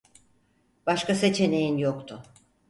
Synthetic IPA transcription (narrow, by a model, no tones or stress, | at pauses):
b̥aʃkase̞t͡ʃʰe̞ne̞jinjokt̪ʰʊ